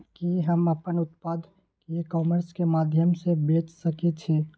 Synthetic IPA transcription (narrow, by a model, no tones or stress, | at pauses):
kiɦəməpənʊt̪pad̪ | kekɔːməɾskemaːd̪ʱjəmsebeːt͡ʃsəket͡ʃʰi